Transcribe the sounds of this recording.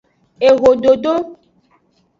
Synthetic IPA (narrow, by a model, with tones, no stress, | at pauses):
e˨ɣo˨ɖo˨ɖo˦